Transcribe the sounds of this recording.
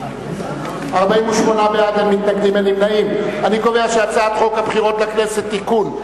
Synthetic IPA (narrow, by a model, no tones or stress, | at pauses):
aʁbaimuʃmo̞nabeadhemːit̪naɡd̪imelimnaimaniko̞veaʃeat͡saːt̪χo̞khabχiʁo̞t̪lakne̞set̪ːikun